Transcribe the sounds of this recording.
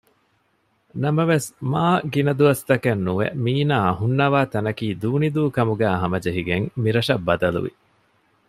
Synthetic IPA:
nɐmɐʋesmaːɡinɐd̪uʋɐst̪ɐkɐnːuʋḛmiːnaːɐɦunːɐʋaːt̪ɐnɐkiːd̪uːnid̪uːkɐmuɡæːɦɐmɐd͡ʒeɦiɡeŋmiɾɐʃɐbːɐd̪ɐlṵʋḭ

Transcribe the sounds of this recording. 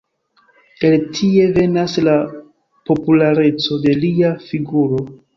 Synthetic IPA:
eltʰie̞ve̞nasla | po̞pulaɾe̞t͡so̞de̞liafiɡuɾo̞

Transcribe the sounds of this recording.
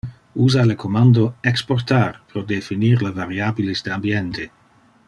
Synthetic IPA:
uːzalekʰomand̪oeksport̪arpɾod̪efiniːɾlevaɾjaːbilisd̪eambjent̪ʰe

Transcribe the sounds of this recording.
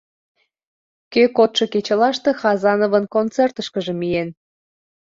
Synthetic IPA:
køkot̪ʃɤket͡ɕəlɑʃt̪e̽xɑzɑnovənkont͡sert̪əʃkəʒə̆mijen

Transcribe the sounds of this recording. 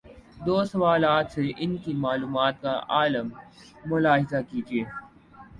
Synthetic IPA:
d̪oːsɐʋaːlaːt̪seʔɪnkimaːluːmaːt̪̚ka̰ʔa̰ːləmː | ʊlaːɦɪzakid͡ʒeː

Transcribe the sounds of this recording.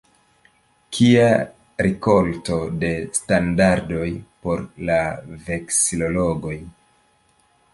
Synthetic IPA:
kʰia | ɾʔiko̞lto̞de̞standaɾdo̞jpo̞ɾlave̞ksilo̞lo̞ɡo̞j

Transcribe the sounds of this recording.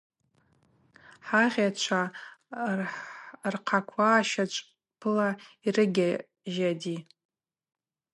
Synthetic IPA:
ħaʁʲat͡ʃʷʰa | rqʰakʷʰaːʃat͡ʃʷʼ | pʰɨlairɨɡʲa | ʒadi

